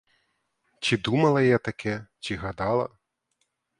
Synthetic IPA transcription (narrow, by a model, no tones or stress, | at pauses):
t͡ɕʲid̪umɐlˠɐjɛt̪akʲɛt͡ɕʲiɣad̪alˠɐ̰